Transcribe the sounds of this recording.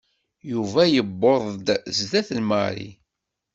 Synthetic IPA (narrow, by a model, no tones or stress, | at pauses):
juvæjəbːoðˤd̪zðæθlmə̰ɾḭ